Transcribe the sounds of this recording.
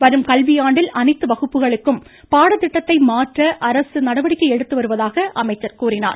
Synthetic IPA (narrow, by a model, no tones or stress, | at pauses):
ʋɐɾɯmkɐlʋɪjaːɳɖɪlɐnɐɪt̪ːɯʋɐɣɯpːɯɣɐɭɯkːɯm | paːɽɐt̪ɪʈːɐt̪ːɐɪmaːʈrɐʔɐɾɐsɯnɐɽɐʋɐɽɪkʲːɐɪɛɽɯt̪ːɯʋɐɾɯʋɐðaːɣɐʔɐmɐɪt͡ʃːɐɾkuːrɪna̰ːɾ